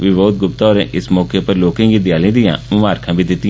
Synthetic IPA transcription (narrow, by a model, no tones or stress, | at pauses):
ʋɪʋoːt̪̚ɡʊp̚t̪aɔːɾḛːʔɪsmɔːkepəɾloːkẽːɡiːd̪jaːlĩːd̪ɪjã̰ːmʊmaːɾkʰãːbʱid̪ɪt̪ːɪ̃